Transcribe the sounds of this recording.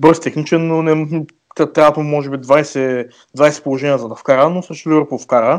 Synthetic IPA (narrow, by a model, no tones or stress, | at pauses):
bəɾst̪ɛxnit͡ʃɛnːonɛ | t̪at̪ɾʲat̪ɐmɔʒɛbid̪vajsɛ | d̪vajsɛ̥polˠoʒɛnijɐzɐd̪ɐfkaɾənosɛʃt̪libɾpofkaɾə